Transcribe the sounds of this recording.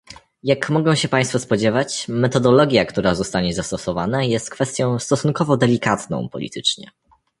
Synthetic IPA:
jakmɔɡɔ̃w̃ɕɛpaj̃st̪fɔspɔd͡ʑɛvat͡ɕmɛt̪ɔd̪ɔlɔɡʲjakt̪uɾazɔst̪aɲɛzast̪ɔsɔvanajɛst̪̚kfɛst̪ʲjɔ̃w̃st̪ɔsunkɔvɔd̪ɛlʲikat̪nɔ̰̃w̃pɔ̰lʲḭt̪ʰɘt͡ʂɲɛ̰

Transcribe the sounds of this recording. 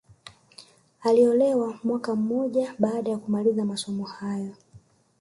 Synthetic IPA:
aliɔlɛwamwakam̩mɔʄaɓaːɗajakumalizamasɔmɔhajɔ

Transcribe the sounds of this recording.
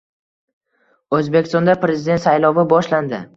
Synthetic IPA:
ɵzbe̞kʲɪ̥st̪ɒnd̪apɾe̞zɪd̪e̞nt̪sajlɒvɪbɒʃland̪ɪ

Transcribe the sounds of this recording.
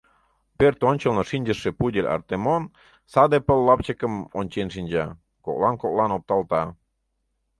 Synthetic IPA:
pert̪onʲt͡ɕəlnoʃinʲd͡ʑəʃːepudʲelʲɑ̰rt̪emon | sɑd̪epəlːɑp̚t͡ɕəkəmonʲt͡ɕenʃ̬inʲd͡ʑɑ | kok̚lɑnkok̚lɑnop̚t̪ɑlt̪ɑ

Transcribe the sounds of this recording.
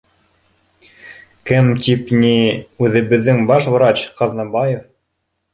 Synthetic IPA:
kɘmt̪ʲipnʲiʉðɘ̆βɘ̆ðːɘŋbɑʃvɾɑt͡ɕqɑðnɑbɑjef

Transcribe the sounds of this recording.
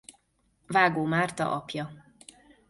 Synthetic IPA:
vaːɡoːmaːrt̪ɒ̰ʔɒpjɒ

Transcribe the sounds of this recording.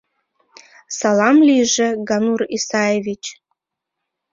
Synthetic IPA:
salamlʲiʐɨɡanurisajevit͡ʃʰʼ

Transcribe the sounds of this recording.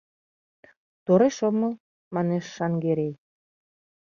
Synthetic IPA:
t̪oɾeʃomɤ̆ | mɑneʃːɑŋɡeɾej

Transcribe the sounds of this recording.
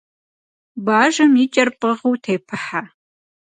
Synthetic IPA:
baːʒɐmit͡ʃʼɐrpʼəʁuwtʰeːpʰɐħa

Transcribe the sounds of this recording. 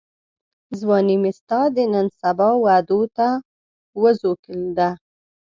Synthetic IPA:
zwɑnimɪst̪ɑd̪ənənsabɑwad̪ot̪a | wəzokəld̪a

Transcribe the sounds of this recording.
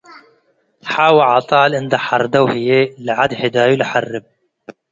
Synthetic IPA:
ħaːwaʕɑt̪ˤɑːlʔɪnd̪aħɑɾˤd̪awhɪjelʕad̪hɪd̪aːjulħarːɪb̚

